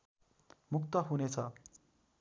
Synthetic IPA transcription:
mukt̪əɦunet͡sʰa

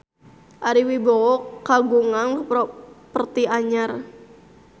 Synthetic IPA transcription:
ʔaɾiwibɔwɔkːaɡuŋaŋpɔpərt̪iaɲar

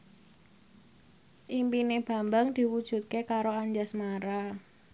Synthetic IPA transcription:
ʔimpineb̥a̤mbaŋd̪̥i̤wud̥ʒ̥ṳt̪̚kekaɾoaɲd͡ʒasmaɾa

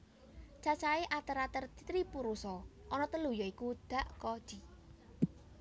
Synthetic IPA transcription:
t͡ʃat͡ʃaeʔat̪əɾat̪ərt̪i̥t̪ɾipuɾusɔʔɔnɔt̪əlujɔikud̪̥a̤ʔkɔd̥ʒ̥i

